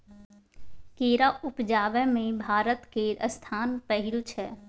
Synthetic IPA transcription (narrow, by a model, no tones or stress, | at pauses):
keːɾaʊpd͡ʒaːʋɛmẽbʱaːɾət̪keɾəst̪ʰaːnpəɦɪɾut͡ʃʰɛː